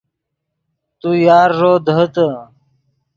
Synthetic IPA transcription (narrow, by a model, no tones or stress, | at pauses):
t̪ujaːɾːoːd̪ɦət̪ə